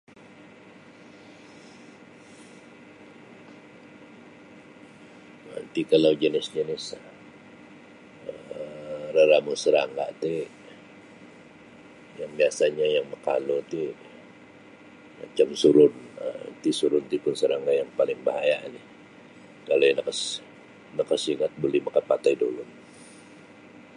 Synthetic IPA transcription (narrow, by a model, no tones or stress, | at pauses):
na̰nt̪ikalad͡ʒənɪsd͡ʒənɪs | ə | rəɾamusəɾaŋɡa̰ʔt̪i | jaŋbiasaɲajaŋməka̰lot̪i | ma̰t͡ʃamsuɾʊnə̰t̪isuɾʊnt̪ipʊnsəɾaŋɡajaŋpalɪŋbaɦajanɪh | kalonəkəs | nəkəsiŋat̪̚bolɛhməkapat̪ajdolʊm